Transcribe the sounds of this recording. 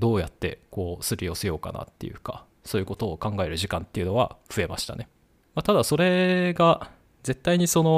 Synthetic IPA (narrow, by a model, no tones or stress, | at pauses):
d̪o̞ːjat̪ːe̞̰ko̞ːsɨɾʲio̞sejo̞ːka̰na̰t̪ːe̞̰jɯ̟ka̰ | so̞ːjɯ̟ko̞t̪o̞ːkãŋɡae̞ɾɯ̟ʑikãnt̪ːe̞iɯ̟no̞βa̰ɸɯ̟e̞maɕi̥t̪a̰ne̞ | mat̪ad̪aso̞ɾe̞ɡa | ze̞t̪ːaiɲ̟iso̞no̞